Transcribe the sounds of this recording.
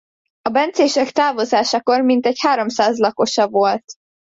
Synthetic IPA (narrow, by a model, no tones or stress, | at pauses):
ɒbɛnt̪seːʃɛkt̪aːvo̞zaːʃɒko̞rmint̪ɛchaːɾo̞msaːzlɒko̞ʃɒvo̞lt̪